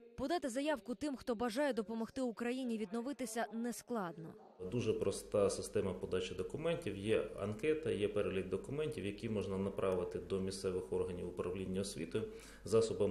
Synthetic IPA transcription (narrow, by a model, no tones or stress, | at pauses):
pɔd̪ɑt̪ɪzɐjɑwkʊt̪ɪmxt̪ɔbɐʒɑjɛd̪ɔpɔmɔxt̪ɪʊkɾɐjinʲiʋʲid̪nɔʋɪt̪ɪsʲɐnɛsklˠɑd̪nɔ̰ | d̪uʒɛpɾɔst̪ɑsɪst̪ɛmɐpɔd̪ɑt͡ʃɪd̪ɔkʊmɛnʲtʲiwjɛɐ̰nkɛt̪ɐjɛpɛɾelʲid̪̚d̪ɔkʊmɛnʲtʲiwjɐkʲimɔʒnɐnɐpɾʔɑʋɪt̪ɪd̪ɔmʲist̪sɛʋɪxɔrɦɐnʲiwʊpɾɐʋlʲinʲːɐɔsʲʋʲḭt̪ʊ | zɑsɔbɐm